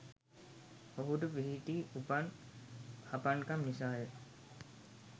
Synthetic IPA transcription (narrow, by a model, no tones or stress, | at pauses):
oɦud̪uʋiɦiʈiːupan | hapaŋkamːisaːje